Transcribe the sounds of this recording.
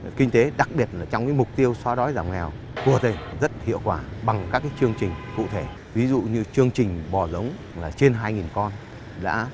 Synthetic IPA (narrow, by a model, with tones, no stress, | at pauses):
kï˧ŋ̟t̪e˨˦ɗa˨˩k̚ɓi˨˩ət̚laː˨˩t͡ɕɔ˧wŋ͡mkaː˨˦jmʊ˨˩k͡p̚t̪i˧əwswaː˨˦ɗɔ˨˦jzaː˧˩wŋ͡mŋɛ˨˩w | ku˨˩ə˩t̪e˨˩ŋzə˦˥t̚hḭ˧˨əwkwaː˧˩ɓa˨˩ŋkaː˦˥kːaː˨˦jt͡ɕɨ˧əŋt͡ɕï˨˩ŋ̟kṵ˧˨t̪ʰe˧˩ | vi˨˦zṵ˧˨ɲɨ˧t͡ɕɨ˧əŋt͡ɕï˨˩ŋ̟ɓɔ˨˩zə˨˦wŋ͡m | laː˨˩t͡ɕe˧nɦaː˧jŋi˨˩nkɔ˧n | ɗa̰ː˧˥